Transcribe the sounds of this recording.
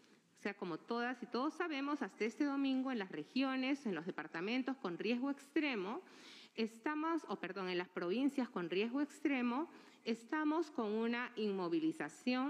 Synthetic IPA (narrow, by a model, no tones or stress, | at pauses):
ose̞ako̞mo̞t̪o̞ð̞asit̪o̞ðosːaβe̞mo̞sast̪aest̪e̞ðo̞mĩŋɡoe̞nlasre̞xjo̞ne̞senlo̞zðepaɾt̪amẽ̞nt̪o̞sko̞nrjezɣoekst̪ɾe̞mo | est̪amosope̞ɾðo̞ŋe̞nlaspɾo̞β̞insjasko̞nrje̞zɣoekst̪ɾe̞mo̞ | est̪amo̞sko̞ŋunaʔiŋmo̞β̞ilisasjo̞ŋ